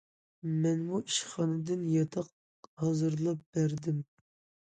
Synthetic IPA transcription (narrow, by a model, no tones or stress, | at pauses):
mɛnmuʔiʃχɑnɨd̪ɪnjɑt̪ʰɑq̚ | hɑzɨɾlˠɑp̚b̥æɾd̪ɪm